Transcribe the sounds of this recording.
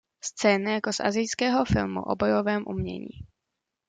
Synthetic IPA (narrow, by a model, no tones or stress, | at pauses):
st͡sɛːnajako̞sʔa̰zɪjskɛːɦo̞fɪ̰lmṵʔo̰bo̞jo̞vɛːmʔṵmɲɛ̰ɲḭː